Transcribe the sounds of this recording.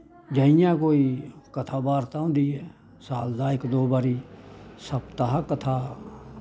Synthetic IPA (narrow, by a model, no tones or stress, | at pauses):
d͡ʒaːijãːkoːiːkət̪ʰaːbaːɾt̪ãːʊ̃nd̪iːɦɛː | saːld̪ãːɪkd̪oːbaːɾiːsəbt̪aɦakət̪ʰaː